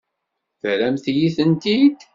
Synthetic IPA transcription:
θɾæmθjiθənt̪id̪

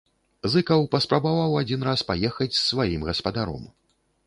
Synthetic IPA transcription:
zɨkɐwpɐspɾabavawad͡zʲinɾaspajɛxɐt͡sʲsːvajimɣɐspɐd̪aɾɔ̰m

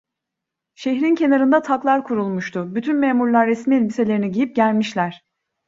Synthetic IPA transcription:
ʃeçɾincʰe̞naɾɯnd̪at̪ʰaklˠaɾkʰuɾulˠmuʃt̪ʰʊbyt̪ʰynmeːmuɾlˠaɾːɛsmiɛlʲbise̞lʲeɾiniɟijip̚ɟælʲmiʃlʲæɾ̥

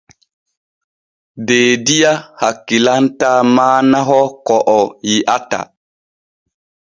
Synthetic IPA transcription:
deːdijahakːilantamaːnaɦɔkɔʔɔjiʔata̰

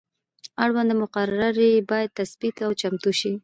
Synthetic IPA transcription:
aɽwand̪əmʊqaɾɾaɾebɑjad̪̚t̪asbit̪awt͡ʃamt̪uʃi

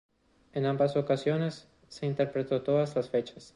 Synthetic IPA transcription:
enambasokasjo̞nesː | e̞int̪eɾpɾet̪o̞t̪oðaslasfet͡ʃas

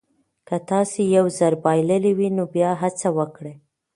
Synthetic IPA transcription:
kət̪ɑsejawzaɾbɑjləliwinobjɑɦat͡sawəkɽe

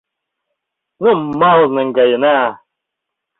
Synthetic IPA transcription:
nummːalnɨŋɡajəna

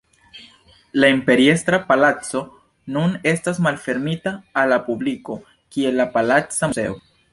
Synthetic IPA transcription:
laimpe̞ɾie̞stɾapalat͡so̞ | nune̞stasmalfe̞ɾmitaːlːapubliko̞ | kie̞lːapalat͡sae̞̰o

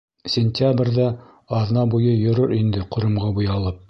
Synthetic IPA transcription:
sʲɪnʲtʲabrʲðɑː | ðnɑbujɤjɵ̆ɾɵɾind̪ɘqŏɾɤ̆mʁɑbujɑlˠɤp̚

